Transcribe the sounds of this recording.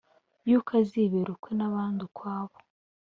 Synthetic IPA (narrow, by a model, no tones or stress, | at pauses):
jukʰaziβeɾukwenaβaːndikwaːβo̥